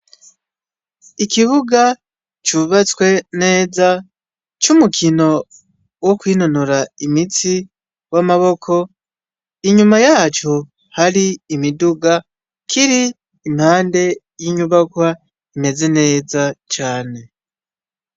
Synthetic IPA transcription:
ikiβuɡa | t͡ʃuβat͡swe̞ne̞ːza | t͡ʃumukʰino̞ | wo̞kwiːno̞noɾaimit͡si | wamaβo̞kʰo̞ | iɲumajaːt͡ʃo̞ | haɾiːmiduɡa | kʰiɾiː | mhaːnde̞ | jiɲuβakwa | ime̞zene̞ːzat͡ʃaːne̞

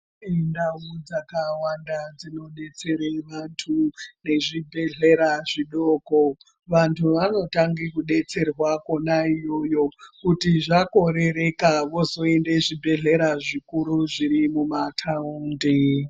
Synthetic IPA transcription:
indaud͡zakawandad͡zino̞ɗe̞t͡se̞ɾeʋantʰune̞ʐibʱe̞ɮe̞ɾaʐiɗoːko | ʋantʰuʋano̞taŋɡikuɗe̞t͡se̞rwako̞naijo̞jo̞kutiʐako̞ɾe̞ɾe̞kaʋo̞so̞ende̞ʐibʱe̞ɮe̞ɾaʐikuɾuʐiɾimumatʰauːndi

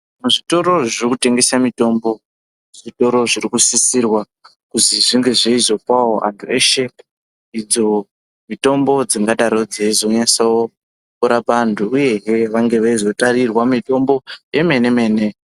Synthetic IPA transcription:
muʐito̞ɾo̞ʐirikute̞ŋɡe̞samito̞mbo̞ | ʐ̥ito̞ɾo̞ʐirikusisirwa | kuziʐiŋɡe̞ʐe̞izo̞paoʔa̰ntʰueʃep | id͡zo̞ | mito̞mbo̞d͡ziŋɡaɗaɾo̞d͡zeizo̞ensawo | kuɾapantʰuːje̞ɦeʋaŋɡe̞ʋeizo̞tarirwamito̞mbo̞je̞me̞ne̞me̞ːne̞

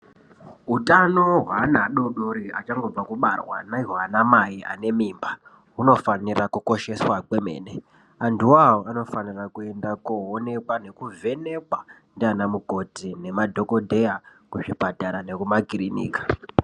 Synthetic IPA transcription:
ɦutano̞ɦwanaɗo̞ɗoɾiat͡ʃaŋɡo̞b͡vakuɓarwa̰naiɦwanamaiʔa̰ne̞miːmba | uno̞fanirakuko̞ʃe̞swakwe̞me̞̰ːne | anduawoano̞fanirakue̞ndakuone̞kwane̞kuvʱe̞ne̞kwandianamuko̞tine̞madʱo̞ko̞dʱe̞jakuʂipataɾane̞kumaɡirinḭːkḁ

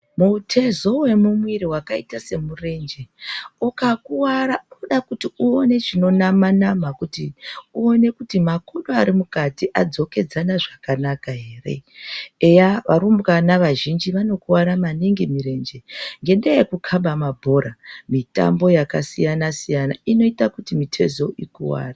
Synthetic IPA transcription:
mutʰe̞zo̞we̞mumwiɾiɦwakaitase̞mure̞nd͡ʒe̞ukakuwaɾauɗakutiuone̞ʐino̞namanamakutiuone̞kutimakoɗoaɾimukatiʔad͡zo̞ke̞d͡zanaʐakanakaɦe̞ːre̞̰ejaʋaɾumbɣanaʋaʒind͡ʒiʋano̞kuwaɾamaniŋɡemiɾe̞nd͡ʒe̞ŋɡe̞ndeekukʰaɓamabʱo̞ɾamita̰mbo̞jakasijanasijanaino̞itakutimitʰe̞̰zo̞ʔikuwa̰ːra

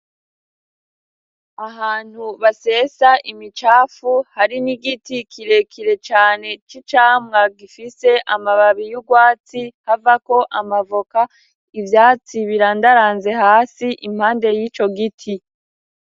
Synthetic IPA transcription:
aɦaːn̥huβase̞saʔimit͡ʃaːfuhaɾiniɡitikʰiɾe̞kʰiɾe̞t͡ʃaːne̞t͡ʃit͡ʃaːmŋaɡifise̞ʔamaβaβijuɡwaːt͡sihavako̞ʔamavoka | ivjaːt͡siβiɾaːndaɾaːnze̞haːsiʔim̥haːnde̞jiːt͡ʃo̞ɡitʰi

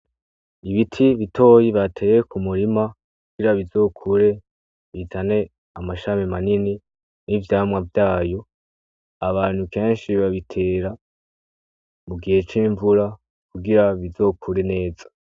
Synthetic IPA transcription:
iβitʰiβitʰo̞ːjiβatʰe̞ːjekʰumuɾima | kuɡ̥iɾaβizo̞ːkʰuɾe̞ | βitʰane̞ | amaʃamimanini | nivjaːmŋavjaːjo̞ | aβaːn̥huke̞ːnʃiβaβitʰe̞ːɾa | muɡihe̞t͡ʃiːɱvuɾa | kuɡiɾaβizo̞ːkʰuɾe̞ne̞ːz̥ḁ

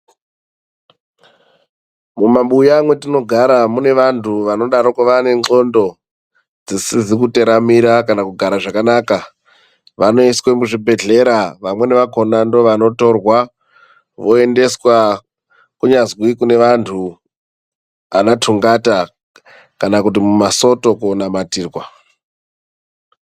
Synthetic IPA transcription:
mumaɓujamwe̞tino̞ɡʱaɾamune̞ʋantʰuʋano̞ɗaɾokuʋane̞ŋ͡ǃo̞ndo̞ | d͡zisizik̬ute̞ɾamiɾakanakuɡʱaɾaʐakanaːka | ʋano̞iswemuʐibʱe̞ɮe̞ɾaʋamwe̞ne̞ʋako̞nandoʋano̞to̞rwa | ʋo̞e̞nde̞swa | kuɲazwikune̞ʋantʰu | a̰natʰuŋɡata | kanakut̬imumaso̞to̞konamatiːrwa

